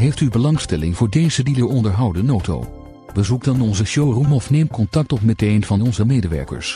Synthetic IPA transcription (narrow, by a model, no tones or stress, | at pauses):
ɦejftybəlɑŋstɛlɪ̰ŋvʊːɹdejzədiləɹɔndəɹɦɑwdənowto̰w | ʋəzukdɑnɔnzəʃowrumɔfnejmkɔntɑk̚tɔpmɛtejnv̥ɑnɔnzəmejdəʋɛ̰ɹkə̰ɹs